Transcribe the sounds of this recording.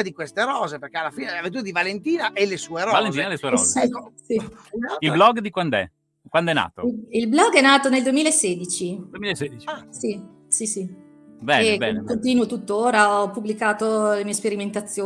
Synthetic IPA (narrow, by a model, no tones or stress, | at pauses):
ad̪ikwest̪eɾɔːzeperkealːafiːneavent̪uɾad̪ivalent̪iːnaʔɛlesueɾɔvalent̪iːnaɛlesueɾɔsisiailblɔɡd̪ikwand̪oɛ̰ | kwand̪ɛnːa̰ːt̪o̰ilblɔɡːɛnːaːt̪oneld̪uemiːlaeseːd̪it͡ʃid̪uemilaesed̪it͡ʃiasi | sisi | bɛebɛkont̪iːnuot̪ut̪ːoːɾaɔpːubːlikaːt̪olemiːespeɾiment̪at̪sːjoː